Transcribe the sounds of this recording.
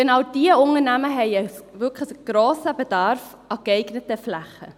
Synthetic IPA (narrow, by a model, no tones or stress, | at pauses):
ɡ̥enɑwd̥iəʊnənæməɦɛɪəvʏkʰləɡ̥ɾoːsəbed̥ɑɾf | ʔɑɡɛɪɡnətəflæχə̰